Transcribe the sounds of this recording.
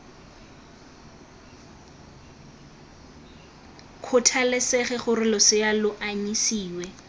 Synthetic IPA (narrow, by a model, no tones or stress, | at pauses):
kʰʊtʰalɪsɛχɛχʊrɪlɔsɪalʊʔaɲisiːwɛ